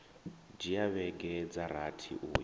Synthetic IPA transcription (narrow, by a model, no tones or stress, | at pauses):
d͡ʒijaβɛɡɛd͡zaɾatʰḭʔuːj